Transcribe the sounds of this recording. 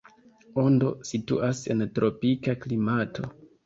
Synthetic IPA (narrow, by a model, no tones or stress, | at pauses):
ondo̞sitṵʔase̞̰ntɾo̞pikaklimatʰo̞